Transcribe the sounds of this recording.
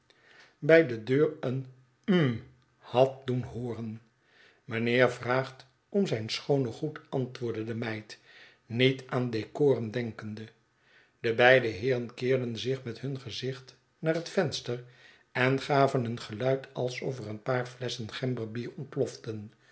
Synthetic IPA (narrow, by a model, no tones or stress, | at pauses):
bɛjdədøːɹən | m̩ | hɑt̚dunɦoːrən | mənɪːɹvraːχt | ɔmzɛjnsχownəχutɑntʋʊːɹdədəmɛjt | nitaːndekoːrəndɛŋkəndə | d̥əbɛjdəɦɪːrənkɪːɹdənzɪχmɛtɦɵnχəzɪχt | naːɹɦətfɛnstər | ɛnχaːvənɦənχəlœɥtʰɑlˠsɔvərənpaːɹflɛsənχɛmbəɹbiːɹɔnt̚plɔftən